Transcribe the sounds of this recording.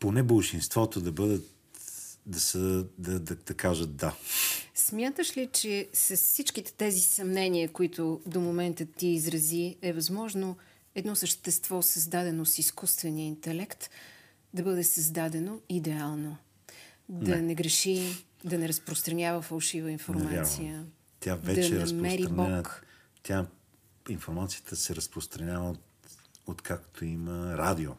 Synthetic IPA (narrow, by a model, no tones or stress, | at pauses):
ponɛbəlˠʃinst̪vɔt̪od̪ɐbɤd̪ət̪ | d̪ɐsəd̪ɐd̪ɐd̪ɐkaʒət̪̚d̪asmʲjat̪əʃlit͡ʃɛsɐssit͡ʃk̟it̪ɛ̥t̪ɛzisɐmnɛniəkoit̪ʊd̪omomɛnt̪ət̪ːiːzɾɐziɛvɐzmɔʒno | ɛd̪nɔsəʃt̪ɛst̪vɔsəzd̪ad̪ɛnosiskust̪vɛnijəint̪ɛlɛkt̪ | d̪ɐbɤd̪ɛsɐzd̪ad̪ɛnoid̪ɛalˠno | d̪ɐnɛɡɾɛʃid̪ɐnɛɾɐspɾost̪ɾɐnʲjavəfɐlˠʃivəinfoɾmat̪sijə | t̪ʲjavdɛd̪ɐt͡ʃnɛsmɛɾiɾɐnbɔɛnk | t̪ʲja | infoɾmat̪sijət̪ʰəsɛɾəspɾost̪ɾɐnʲavə | ot̪kʰakt̪ʰoiməɾad̪io